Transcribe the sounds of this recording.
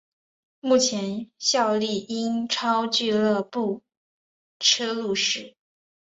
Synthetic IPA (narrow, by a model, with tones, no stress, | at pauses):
mu˥˩t͡ɕʰjɛ˧˥nɕjɑ˥˧ʊli˥˩i˥nʈ͡ʂʰɑ˥ʊt͡ɕy˥˧lɤə˥˧pu˥˩ | ʈ͡ʂʰɤ˥lu˥˧ʂɻ̩˥˩